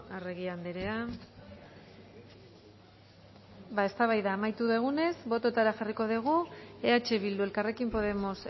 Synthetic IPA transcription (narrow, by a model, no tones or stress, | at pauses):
areɣiand̪eɾe̞a | bae̞st̪aβajðaːmajt̪uðeɣ̞une̞zbo̞t̪o̞t̪aɾaʝariko̞ðiɣ̞ue̞at͡ʃe̞βild̪ue̞lkare̞kimpo̞ð̞e̞mo̞s